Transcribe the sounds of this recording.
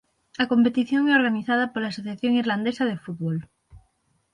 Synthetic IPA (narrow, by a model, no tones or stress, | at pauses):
ɐkompet̪iθjoŋɛoɾɣaniθað̞ɐpolaːsoθjaθjoŋiɾland̪esað̞efut̪βol